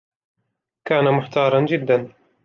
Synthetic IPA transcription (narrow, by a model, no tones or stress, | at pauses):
kaːnamʊħt̪ɑːɾˤɑnd͡ʒɪd̪ːan